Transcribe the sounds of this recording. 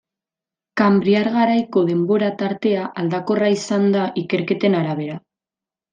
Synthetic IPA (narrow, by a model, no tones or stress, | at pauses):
kambɾiaɾɣaɾajko̞ðe̞mbo̞ɾat̪aɾt̪e̞aʔald̪ako̞raisand̪aʔike̞ɾke̞t̪e̞naɾaβe̞ɾa